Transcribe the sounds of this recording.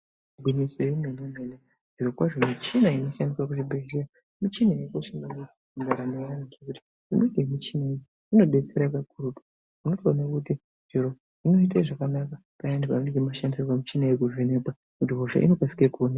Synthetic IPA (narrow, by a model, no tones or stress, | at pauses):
bʱiɲisoenenemene | ʐirokwaʐomit͡ʃinaino̞ʃandiswakuʐibʱeɮira | mit͡ʃinajekoʃambana | uŋɡaɾamejanaʐekuti̥ | ʐimeɡʱemit͡ʃinaid͡ʒi | ino̞ɗe̞t͡seɾakakurupḁ | muno̞toːnakuti | d͡ʒiɾo | ino̞iteʐakanaka | painendepauneŋɡemaʃandisopamit͡ʃinajek̬uvenekwa | kutiɦoʃa̰ʔḭno̞kwasi̥kekuona